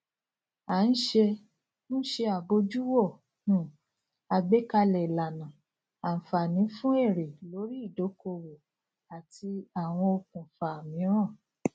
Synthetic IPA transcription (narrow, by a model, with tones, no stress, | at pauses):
a˨˦n̩˦ʃe˧ | nũ˦ʃe˧a˨bo˧˦d͡ʒu˦wo˦˨ | nũː˦˨ | a˧ɡ͡be˦ka˧lɛ˨la˨nã˨ | a˨n̩˨fa˨nĩ˨˦fũ˦e˦˨ɾe˨lo˨˦ɾi˦i˦˨do˨˦ko˧wo˨ | a˨tʰi˧a˨w̃ɔ̃˧o˧kũ˨fa˨mĩ˨˦ɾɔ̃˦˨